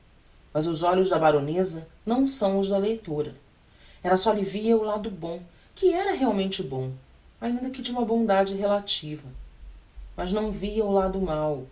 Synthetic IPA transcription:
mɐzʊzɔʎʊzd̪ɐbaɾonezɐnɐ̃w̃sɐ̃w̃ʊzd̪ɐlejt̪oɾɐ | ɛlɐsɔlɪviɐʊlad̪ʊbõ | kɪɛɾɐɦeawmẽnt͡ʃɪbõw̃ | aĩnd̪ɐkɪd͡ʒɪũmɐbõd̪ad͡ʒɪɦelat͡ʃivɐ | mɐznɐ̃w̃viɐʊlad̪ʊmaw

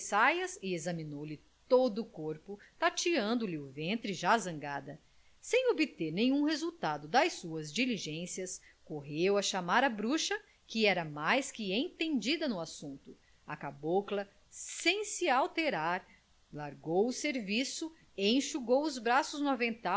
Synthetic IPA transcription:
sajɐsɪezɐminowlɪ | t̪od̪ʊkoɾpʊt̪at͡ʃiɐ̃nd̪ʊlɪʊvẽnt̪ɾɪʒazɐ̃ŋɡad̪ɐ | sẽj̃obɪt̪eɾnẽj̃ũhezuwt̪ad̪ʊd̪ɐjsuɐzd͡ʒiliʒẽsiɐs | koɦewɐʃamaɾɐbɾuʃɐ | kɪɛɾɐmajskɪẽt̪ẽnd͡ʒid̪ɐnʊasũnt̪ʊ | ɐkaboklɐ | sẽj̃sɪawt̪eɾaɾ | laɾɡowʊseɾvisʊ | ẽj̃ʃuɡowʊzbɾasʊznũmɐvẽnt̪a

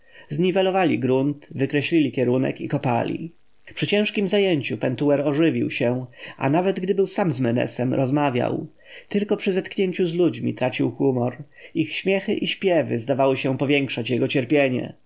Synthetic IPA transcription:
zɲivɛlɔvalʲiɡɾunt̪vɘkɾɛɕlʲilʲikʲɛɾunɛ̰kikɔpa̰lʲḭ | pʂɘt͡ɕɛ̃w̃ʂkʲimzajeɲt͡ɕupɛnt̪uɛɾɔʐɘvʲḭwɕɛʔa̰navɛd̪ɡd̪ɘbɘwsamzmɛnɛ̰sɛmɾɔzmavʲja̰w | t̪ɘlkɔpʂɘzɛt̪kɲeɲt͡ɕuzlud͡ʑmʲḭt̪ɾat͡ɕiwxumɔɾixɕmʲjɛxɘʔiɕpʲjɛvɘ̰zd̪avawɘɕɛpɔvʲjɛŋkʂat͡ɕjɛɡɔt͡ɕɛɾpʲjeɲɛ̰

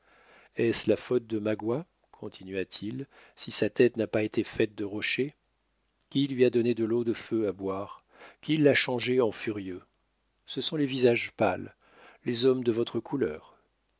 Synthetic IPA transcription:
ɛslafɔt̪̚d̪əmaɡwa | kʰɔ̃t̪ʰinɥat̪ʰil | sisat̪ɛt̪napaet̪ʰefɛt̪̚d̪əʁɔʃe | kʲilɥiad̪ɔned̪əlod̪əføabwaʁ | kʲilːaʃɑ̃ʒeɑ̃fyʁjø | səsɔ̃levizaʒpal | lezɔmd̪əvɔt̪χəkʰulœ̰ːʁ

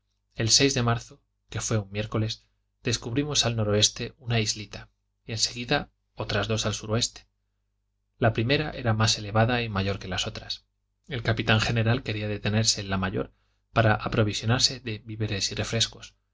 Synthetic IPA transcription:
e̞lse̞jzðe̞maɾθo | ke̞fwe̞ummːje̞ɾko̞le̞z | d̪e̞skuβɾimo̞salno̞ɾo̞e̞st̪e̞unaizlit̪a | ie̞nse̞ɣiða | o̞t̪ɾazðo̞salsuɾo̞e̞st̪e̥ | lapɾime̞ɾaʔe̞̰ɾamase̞le̞βaðaimaʝo̞ɾke̞laso̞t̪ɾas | e̞lkapit̪aŋxe̞ne̞ɾalke̞ɾiaðe̞t̪e̞ne̞ɾse̞lamaʝo̞̰ɾ | paɾaʔapɾo̞β̞isjo̞naɾse̞ðe̞βiβeɾe̞sire̞fɾe̞sko̥s

